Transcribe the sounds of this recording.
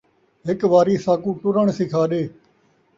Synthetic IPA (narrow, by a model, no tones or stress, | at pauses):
ɦɪkʋaːɾiːsaːkũːʈʊɾəɳsɪkʰaːɗeː